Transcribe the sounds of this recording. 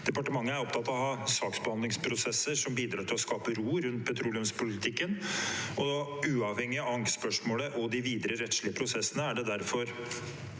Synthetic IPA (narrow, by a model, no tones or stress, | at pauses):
d̪̥ɛpɑʈəmɑŋːəæɾɔpt̪ʰɑt̪ːɑʋɔhɑsɑːksbəhɑnd̪lɪŋspʰɾʊsɛsːəʂɔmbiːd̪ɾɑːt̪ʰɪlɔskɑːpəɾuːɾʉnt̪̚pʰɛt̪ʰɾuːlɪʉmspʊlɪt̪ʰɪkːənɔʉːɑʋhɛŋːɪɑɑŋspœʂmoːləʔɔd̪ɪʋiːd̪əɾəɾɛt̪ʂɭɪəpʰɾʊsɛsːənəæɖɛd̪æɾfɔɾ